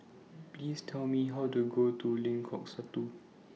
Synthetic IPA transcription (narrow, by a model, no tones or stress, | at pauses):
pliːstʰɛlmiɦawtuɡotʰulĩŋkʰɔksatu